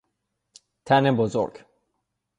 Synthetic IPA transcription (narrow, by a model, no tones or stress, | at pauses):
t̪ʰænebozo̰ɾɡ